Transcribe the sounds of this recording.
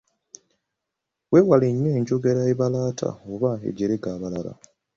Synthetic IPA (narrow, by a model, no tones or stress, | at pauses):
wewaleɲːeːɲɟo̞ɡeɾaeβalaːtʰa̰oβaḛɟeɾeɡaːβalala̰